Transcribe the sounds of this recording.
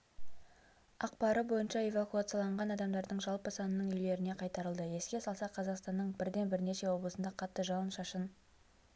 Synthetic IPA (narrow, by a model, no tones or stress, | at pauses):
ɑqpɑɾəbo̞jənʃɑe̞vakuat̪sjɑlˠɑɴʁɑnɑd̪ɑmd̪ɑɾd̪əɴʒɑlˠpəsɑnənəɴʏjle̞ɾɪne̞qʰɑjt̪ɑɾəlˠd̪əje̞skʲe̞sɑlˠsɑqʰɑzɑqst̪ɑnːəɴbɪɾd̪e̞nbɪɾne̞ʃe̞wo̞blˠəsənd̪ɑqʰɑt̪ːəʒɑlˠənʃɑʃən